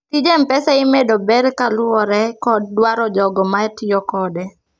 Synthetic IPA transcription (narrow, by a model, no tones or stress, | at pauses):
tid͡ʒempɛsɛɪmedɔbɛɾkalwɔɾɛkɔd̚ːwaɾɔd͡ʒɔɡɔmaɛtijɔkɔdɛ